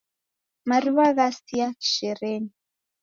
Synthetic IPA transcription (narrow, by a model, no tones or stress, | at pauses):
maɾiβaɣast̪iaki̥ʃɛɾɛni